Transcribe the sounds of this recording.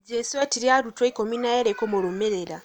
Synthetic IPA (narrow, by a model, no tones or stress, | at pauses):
ɟesiwatiɾiaɾutweikominajaɾekomoɾomeɾeɾa